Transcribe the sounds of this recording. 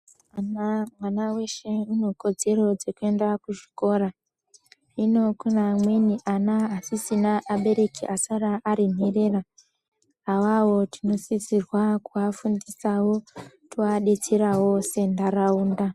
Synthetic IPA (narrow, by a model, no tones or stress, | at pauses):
anamwanawe̞ʃe̞uno̞ko̞d͡ze̞ɾo̞d͡ze̞kue̞ndakuʒi̥ko̞ɾa | ino̞kunamwe̞niʔanaːsisinaʔaɓe̞ɾe̞kiʔasaɾaʔːɾin̤ere̞raː | wawo̞tʰino̞sisirwakuafundisawo̞ | tʰoaɗe̞t͡seɾawo̞se̞ndaɾauːnda